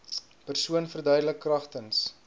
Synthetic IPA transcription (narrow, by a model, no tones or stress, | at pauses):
pərsuənfərdœɥdələkːrɐχtəns